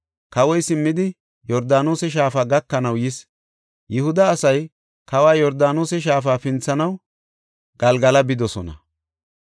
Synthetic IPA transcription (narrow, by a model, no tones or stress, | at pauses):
kɐwɔjsɪmːɪd̪ɪ | jɔɾd̪aːnoːsɛʃ̬aːfaːɡɐkːɐnɐwjɪs | jɪhʊd̪ɐːsɐj | kɐwaːjɔɾd̪aːnoːsɛʃ̬aːfaːfɪnt͡sːɐnɐw | ɡ̥ɐlɡɐlɐbɪd̪ɔsɔnɐ̰